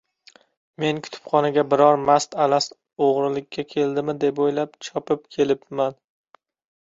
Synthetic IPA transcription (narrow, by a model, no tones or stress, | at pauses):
me̞nkʰʊ̥t̪ʰʊ̥pχɒnaɡʲabɪɾɒɾmast̪alas | oʁɾɪlɪkʲːakʲʰe̞ld̪ɪmɪd̪e̞pojlapt͡ʃʰɒpʰɪp̚kʲʰe̞lɪpman